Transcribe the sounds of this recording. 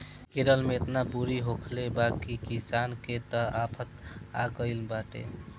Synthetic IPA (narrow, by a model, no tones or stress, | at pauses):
eɾəlmeːt̪napuɾiɦokʰlebakikisanket̪əapʰət̪a̰ɡəɪlbaʈḛ